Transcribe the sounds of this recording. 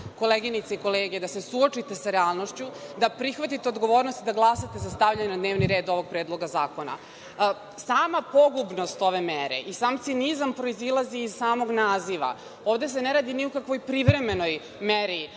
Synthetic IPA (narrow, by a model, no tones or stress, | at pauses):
ko̞leɡinit̪seiko̞leːɡed̪ase̞suot͡ʂit̪e̞saɾealˠnoʃt͡ɕud̪apɾixʋat̪it̪eod̪ɡoʋoːɾnost̪id̪aɡlˠasat̪e̞zast̪aʋʎaɲenad̪neːʋniɾe̞ːd̪o̞ʋo̞ɡ̚pɾeːd̪lˠo̞ɡazaːko̞na̰ | saːmapo̞ɡubno̞st̪o̞ʋe̞meɾḛʔisaːmt̪sionizampɾo̞izilˠaziːzsaːmo̞ɡnaːziʋa̰ | oːʋd̪e̞s̬e̞neɾaːd̪iniukakʋo̞jpɾiʋɾe̞me̞no̞j | meɾi